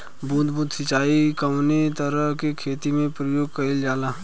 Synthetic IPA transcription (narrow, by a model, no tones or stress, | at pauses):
buːd̪buːt̪sɪt͡ʃaːikəʋnet̪əɾəɦkekʰeːt̪imẽpɾəjoːɡ̚kɐɪld͡ʒaːla